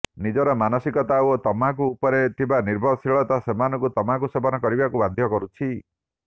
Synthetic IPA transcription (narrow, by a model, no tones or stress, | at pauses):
nid͡ʒɔɾɔmanɔsikɔt̪aoot̪ɔmak̬uːpɔɾet̪ibaniɾbʱɔɾɔsiɭɔt̪asemanɔ̃ŋkut̪ɔmakusebɔnɔkɔɾibakuband̪ʱjɔkɔɾut͡ʃʰi